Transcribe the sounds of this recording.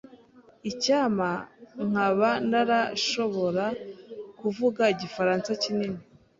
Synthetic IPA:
icaːmaŋ̥aβanaɾaʃo̞βo̞ɾakuvuɡaiɟifaɾaːnt͡sacinini

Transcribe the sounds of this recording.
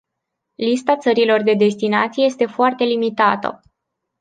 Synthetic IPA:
list̪at̪səɾilo̞rd̪e̞d̪e̞st̪inat̪sijeje̞st̪e̞foart̪e̞limit̪at̪ə̰

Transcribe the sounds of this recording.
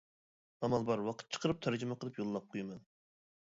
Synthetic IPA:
ɑmɑlˠbɑɾwɑqʰət̪̚t͡ʃʰə̥qəɾɨp̚t̪ʰæɾd͡ʒymɛqəlˠɨpjolˠːɑp̚qʰojɪmɛn

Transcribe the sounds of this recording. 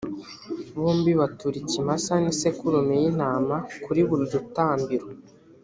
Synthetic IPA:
βuːmbiβatuɾicimasanisekuɾomejin̥aːmakuɾiβuɾud͡ʒutaːmbiɾo

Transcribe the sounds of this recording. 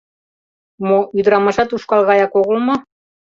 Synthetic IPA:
moyd̪ɾɑmɑʒɑt̪uʃkɑlˠɣɑjɑkoɣə̆lmɤ̆

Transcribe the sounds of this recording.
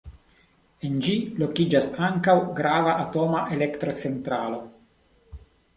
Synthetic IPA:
e̞nd͡ʒilo̞kid͡ʒasaŋkawɡɾavaʔːto̞maʔe̞le̞ktɾo̞t͡se̞ntɾalo̞

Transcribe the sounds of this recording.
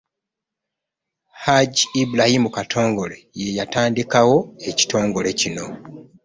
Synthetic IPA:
haɟiibulajimukatʰo̞ːŋɡo̞le̞je̞jataːndikawo̞e̞ci̥to̞ːŋɡo̞le̞cino̞

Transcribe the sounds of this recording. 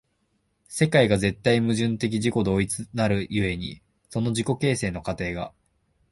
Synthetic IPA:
se̞kaiɡaze̞t̪ːaimɯ̟ʑɨ̃nt̪e̞k̬ʲiʑiko̞d̪o̞ːit͡sɨnaɾɯ̟jɯ̟e̞ɲ̟ḭ | so̞no̞ʑiko̞ke̞ːse̞ːno̞kat̪e̞ːɡa̰

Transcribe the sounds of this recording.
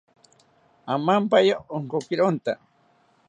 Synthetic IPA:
amampajaoŋkokɪɾont̪a

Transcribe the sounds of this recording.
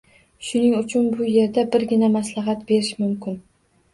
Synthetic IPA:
ʃʊnɪŋʊt͡ʃʰʊnbʊje̞ɾd̪abɪɾɡʲɪnamaslaɦat̪be̞ɾɪʃmʊmkʲɪn

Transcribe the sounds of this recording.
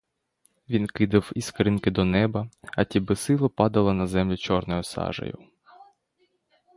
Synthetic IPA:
ʋʲinkɪd̪ɪwiskɾʲɪnkɪd̪ɔnɛbɐɐt̪ʲibɪsɪlˠɔpɑd̪ɐlˠɐnɐzɛmlʲit͡ʃɔrnɔjɔsɑ̰ʒɐ̰jʊ̰

